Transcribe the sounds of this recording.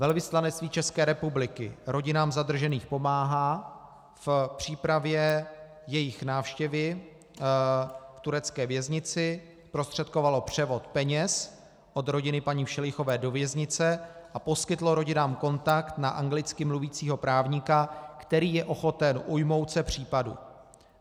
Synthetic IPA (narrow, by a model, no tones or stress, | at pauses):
vɛlvɪslanɛtt͡st̪viːt͡ʃɛskɛːɾɛpublɪkɪ̰ɾo̞ɟɪnaːmzad̪r̩ʒɛniːxpo̞maːɦaː | fpr̝̥iːpɾavjɛ | jɛjɪxnaːfʃcɛvɪ | ft̪uɾɛt͡skɛːvjɛzɲɪt͡sɪ | spɾost̪r̥ɛt̪̚ko̞valo̞pr̝̥ɛvo̞t̪pɛɲɛs | ʔo̞d̪ɾo̞ɟɪnɪpaɲiːfʃɛlɪxo̞vɛːdo̞vjɛzɲɪt͡sɛʔapo̞skɪt̪lo̞ɾo̞ɟɪnaːmko̞nt̪akt̪naʔaŋɡlɪt͡skɪmluviːt͡siːɦo̞pɾaːvɲɪkakt̪ɛɾiːjɛʔo̞xo̞t̪ɛnʔujmo̞wt̪t͡sɛpr̝̥iːpadṵ